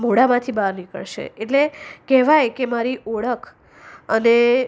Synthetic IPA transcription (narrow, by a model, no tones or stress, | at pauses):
moɽamãt̪ʰibaɾnikə̰ɭʃḛeʈlekɛɦʋajkemaɾiʔoɭəkʰ | əne